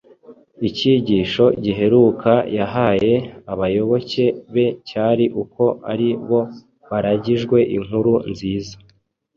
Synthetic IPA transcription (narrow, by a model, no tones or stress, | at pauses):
iciɟiːʃo̞ɟiɦe̞ɾukʰajaɦaːje̞aβajo̞βo̞ce̞βe̞caːɾiʔukʰo̞aɾiβo̞ | βaɾaɟiʒɡwe̞ʔiŋ̥huɾunziːza